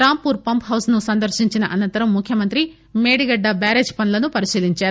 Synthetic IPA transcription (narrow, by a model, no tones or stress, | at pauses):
ɾaːmpuːɾpɐmpɦɐwsnusɐnd̪ɐɾʃiɲt͡ʃinɐʔɐnɐnt̪ɐɾɐmːukʰjɐmɐnt̪ɾi | meːɽiɡɐɖːɐbaːɾeːd͡ʒpɐnlɐnupɐɾiʃiːliɲt͡ʃaːɾu